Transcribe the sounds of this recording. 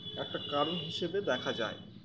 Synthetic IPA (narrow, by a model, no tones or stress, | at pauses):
ɛk̚ʈakaɾonɦiʃebed̪ɛkʰad͡ʑa̰e